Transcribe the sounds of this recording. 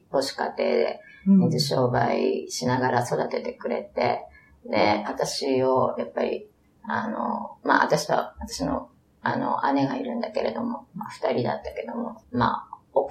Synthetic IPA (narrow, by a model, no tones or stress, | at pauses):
po̞ɕi̥kat̪e̞ːd̪e̞ɲizɨɕo̞ːbaiɕinaɡaɾaso̞d̪at̪e̞t̪e̞kɯ̟ɾe̞t̪e̞ | d̪e̞at̪aɕio̞japːaɾʲi | ano̞̰maa̰t̪aɕiβa̰βat̪ḁɕino̞̰ | ano̞̰ane̞ɡaiɾɯ̟̃nd̪ake̞ɾe̞d̪o̞mo̞maɸɯ̟̥t̪aɾʲid̪a̰t̪ːḁke̞d̪omo̞ma̰o